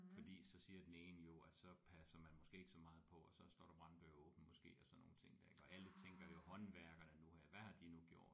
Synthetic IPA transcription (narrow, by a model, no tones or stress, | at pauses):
fɒ̽d̥ḭːsɒ̽siːɐd̥eneːnjo̝æ̥sɒ̽pʰæsɐmænmɒ̽sɡ̥e̝̰ːe̝ɡ̥sɒ̽mɑ̈ːð̩ˠpʰɒ̽ɒsɒ̽sd̥ɒ̰ːɾ̥ɑb̥ʁɑ̈nd̥øɐɔ̽ːb̥n̩mɒ̽sɡ̥e̝̰ːɒsɒ̽no̝ːn̩t͡sʰe̝ŋ̰d̥æɐe̝ɡ̥ɒ̽ʔælət͡sʰeŋɡ̥ɐjo̝hɒ̽nʋæɐɡ̥ɐnənuhæʋæhɑ̈d̥inuɡ̥jo̝ɐ̰d̥